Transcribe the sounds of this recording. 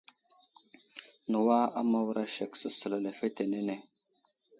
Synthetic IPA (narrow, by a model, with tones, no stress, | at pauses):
nə˨wa˦a˦ma˦wɾʔa˦ʃe˨ksə˦sə˨la˨le˨fe˦t̪e˨ne˦ne˨